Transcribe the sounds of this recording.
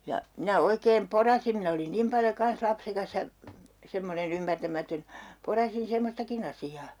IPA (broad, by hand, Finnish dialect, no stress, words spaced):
jɑ minæ oikeːm porɑsim min olin nim pɑljo kɑns lɑpsekɑs jɑ semːonen ymːærtæmætøn porɑsin̞ semːostɑkin ɑsiɑː